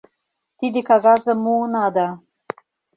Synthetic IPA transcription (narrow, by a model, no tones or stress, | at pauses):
t̪id̪ikʰaɣazəmunad̪a